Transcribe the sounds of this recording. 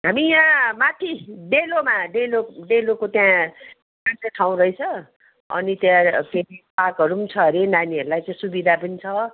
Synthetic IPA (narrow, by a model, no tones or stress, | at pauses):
ɦamijãmat̪ʰiɖelomaɖeloɖelokot̪jã | kant͡sʌʈʰaw̃ɾʌjt͡sʰʌ | ʌ̰nit̪jãpʰeɾipakʌɾut͡sʰʌɾenaniʌɾulajt͡sʌĩsubid̪ʱapʌnit͡sʰʌ